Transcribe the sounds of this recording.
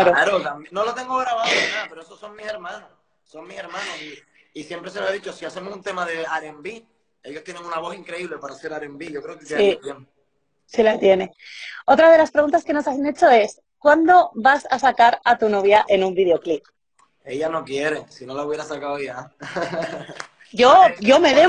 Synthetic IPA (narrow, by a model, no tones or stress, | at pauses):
aɾoaɾot̪amnolot̪e̞ŋɡoɣɾaβaðoapeɾoesoso̞ŋmise̞ɾmãno | so̞ŋmːise̞ɾmmãnosi | isje̞mpɾes̬eloeðit͡ʃo̞siase̞mosunt̪e̞maðe̞aɾembi | e̞joht̪jeneŋunaβo̞siŋkɾe̞iβle̞paɾase̞ɾaɾembiʝo̞kɾe̞oketseijem | silat̪je̞neo̞t̪ɾað̞e̞laspɾeɣunt̪aske̞no̞saθne̞t͡ʃo̞e̞s | kwand̪o̞βasasakaɾat̪uno̞β̞jaʔe̞nũmbið̞eo̞klip̚ | e̞ʝano̞kje̞ɾesino̞lauβje̞ɾasakawoja | ʝoʝo̞me̞ðe